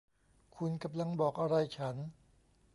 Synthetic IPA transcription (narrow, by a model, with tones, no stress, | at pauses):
kʰu˧nka˧mla˧ŋbɔː˨˩k̚ʔa˧ɾa˧jt͡ɕʰa˦˥n